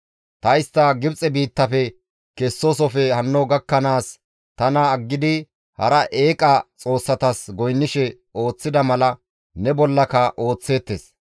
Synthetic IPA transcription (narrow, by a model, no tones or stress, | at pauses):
t̪ɐɪst̪ːɐɡɪbt͡sʼɛbiːt̪ːɐfɛ | kɛsːosɔfɛhɐnːɔɡɐkːɐnaːs | t̪ɐnɐːɡːɪd̪ɪ | hɐɾɐʔe̞ːkʼɐt͡sʼo̞ːsːɐt̪ɐsɡɔjnːɪʃɛ | o̞ːt͡sːɪd̪ɐmɐlɐ | nɛbɔlːɐkɐʔo̞ːt͡sːe̞ːt̪ːes